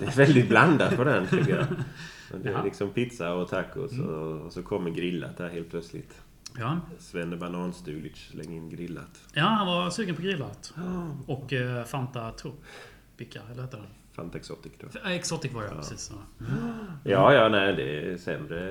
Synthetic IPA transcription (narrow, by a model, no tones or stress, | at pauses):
d̪ɛɛɾvɛld̪ɪt̪̚bland̪at̪pʰɔd̪ɛnt̪ʰɛkəja̰ | ɔd̪lɪksɔmpʰɪt̪saɔt̪ʰakːɔ̰sɔ̰sɔkʰɔmːəɾɡɾɪlːa̰t̪̚hæːɾheːlt̪̚pʰlœt̪slɪ̰t̪ | jsvɛnd̪əbanɑːnst̪ʉːlɪt͡ʃslɛ̰ŋːɪnɡɾɪlːa̰t̪ | jaːhanvaɾsʉːɡənpʰɔɡɾɪlːat̪ɔkːfant̪at̪ʰup | pɪkʰaɛlːəheːt̪ədan | fa̰nt̪aɛksɔ̰t̪ɪkd̪̥oɛksɔt̪ɪkvɔɾə̰ɾsiːs | jɑːjɑːnɛɪd̪ɛɛsɛmɾə